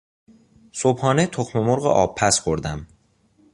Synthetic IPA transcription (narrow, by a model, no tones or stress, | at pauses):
sob̥hɒːnet̪ʰoxmemoɾɣḛʔɒːb̚pʰːæsxoɾd̪æm